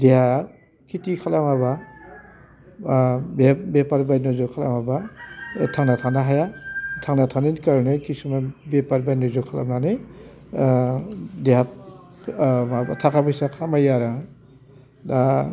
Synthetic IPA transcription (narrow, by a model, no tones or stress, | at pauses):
deɦa | kʰitikʰalamaba | bebepaɾbajnɔzɔkʰala̰maba | tʰaŋnatʰanaɦajatʰaŋnatʰanenkaɾnɯjkisumabepaɾbajnɔzɔkʰala̰mnanɯj | deɦa | abatʰakʰabɔjsakʰamajaɾa | da